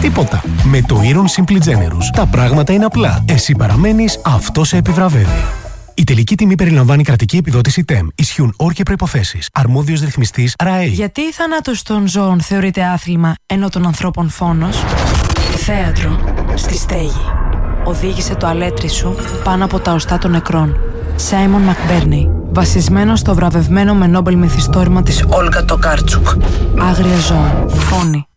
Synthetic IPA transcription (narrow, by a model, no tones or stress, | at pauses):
t̪ipo̞t̪ɐ̰me̞t̪o̞iɾonsimblid͡ze̞ne̞̰ɾust̪ɐpɾɐɣmɐt̪ɐine̞ɐplɐe̞sipɐɾɐme̞nisɐft̪o̞se̞ːpivɾɐve̞vḭ | it̪e̞licit̪imipe̞ɾilɐɱvɐnikɾɐt̪icie̞piðo̞t̪isit̪e̞misçiuno̞ɾcepɾo̞ipo̞θe̞sisɐɾmo̞ðiozɾiθmist̪isɾɐʝɐt̪iːθɐnɐt̪ost̪o̞nzo̞ːnθe̞o̞ɾit̪e̞ɐθlimɐe̞no̞t̪o̞nɐnθɾo̞po̞nfo̞no̞s | θe̞ɐt̪ɾo̞st̪ist̪eʝioðiʝise̞t̪oɐle̞t̪ɾisu | pɐnoɐpo̞t̪ɐost̪ɐt̪o̞nːe̞kɾo̞n | sɐjmo̞nmɐkbeɾnejvɐsizme̞nost̪o̞vɾɐve̞vme̞no̞me̞no̞belmiθist̪o̞ɾimɐt̪isolɣɐt̪o̞kɐɾt͡sukɐɣɾiɐzo̞fo̞ni